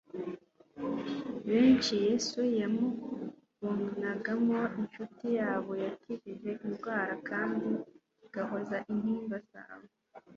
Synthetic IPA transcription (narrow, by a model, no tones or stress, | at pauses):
βeːnt͡ʃijesujemo | βomunaɡamo̞inʃutijaːβo̞jatʰiɾiʒe̞ʔimɡwaːɾakaːndi | ɡ̥ahozaʔin̥hiːmbasa̰we